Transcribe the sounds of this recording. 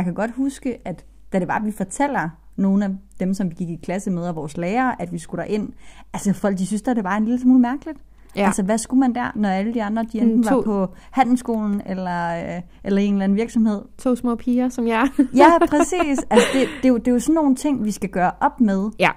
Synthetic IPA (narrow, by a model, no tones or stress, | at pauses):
jɑ̈kʰæɡ̥ɒ̽d̥husɡ̥əʔæd̥ː | æɾ̥e̝bɑ̈ːʋifɒ̽t͡sʰel̰ɐ | no̝ːn̩æd̥emsɒ̽mɡ̥iɡ̥ikʰlæsəmeð̞ˠæʋɒːsleːɐːʔæd̥ʋisɡ̥uɾ̥ɑʔe̝n̰ | ælsəfɒ̽l̰ɡ̥̚d̥is̬ysd̥eæɐɾ̥e̝bɑ̈ːe̝nliləsmuːlmæɐɡ̥əlid̥ | ælsəʋæsɡ̥umænd̥æɐ̰nɒæləd̥iɑ̈nd̥ʁɐd̥iend̥n̩ʋɑpʰɒ̽ | hæn̰l̩sɡ̥o̝̰ːln̩elɐʔelɐe̝ːnlæn̩ʋiɐɡ̥sɒ̽mhe̝ð̞̰ˠt͡sʰo̰ːsmɔ̰ːpʰiːɐsɒmjjæpʰʁɛsḭːsælsəd̥e̝d̥e̝jd̥e̝josɒ̽n̩ːo̝ːn̩t͡sʰe̝ŋ̰ʋisɡ̥æɡ̥ɶːɐʔɒ̽b̥með̞ˠ